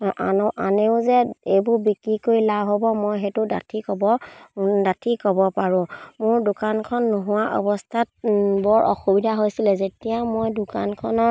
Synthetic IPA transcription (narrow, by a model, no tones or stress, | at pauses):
ʔa̰nɔʔa̰neʊzɛejbʊɹbikɹikoilaɦɔbɔmojɦɛtʊda̰tʰikɔbɔdatʰikɔbɔpaɹʊ̃mʊɹdʊkankʰɔnːoɦʊwaʔɔ̰bɔstʰat̚bɔɹʔɔ̰xubidʱaɦojsilɛzetijamojdʊka̰nkʰɔnɔ